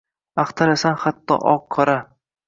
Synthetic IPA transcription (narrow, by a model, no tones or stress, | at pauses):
aχt̪ʰaɾasanχat̪ʰːɒ̰ʔɒqʰːɒɾa